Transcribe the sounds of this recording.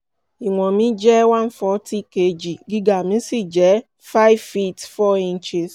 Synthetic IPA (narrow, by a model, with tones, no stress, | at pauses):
i˨ŋʷɔ˨mi˦d͡ʒɛ˦wa˦n̩˦fɔ˦tʰi˦ke˦d͡ʒi˨ɡɪ˦ɡa˨mi˦si˦d͡ʒɛ˨˦ | fa˦ɪ˦vfi˦tfɔ˦i˦n̩˦t͡ʃe˦s